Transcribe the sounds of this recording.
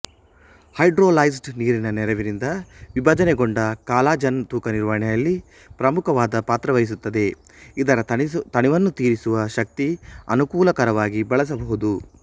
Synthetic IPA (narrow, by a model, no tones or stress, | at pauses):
hɐjɖɾoːlɐjsɖniːɾinɐnɛɾɐʋiɾind̪ɐʋibʱɐd͡ʒɐneɡoɳɖɐkaːlaːd͡ʒɐnt̪uːkɐniɾʋɐɦɐɳɛjɐlːi | pɾɐmukʰɐʋaːd̪ɐpaːt̪ɾɐʋɐjis̬ut̪ːɐd̪e̞ | id̪ɐɾɐt̪ɐɳiʋɐnːut̪iːɾisuʋɐʃɐk̚t̪iɐ̰nukuːlɐkɐɾɐʋaːɡibɐɭɐs̬ɐbɐɦud̪u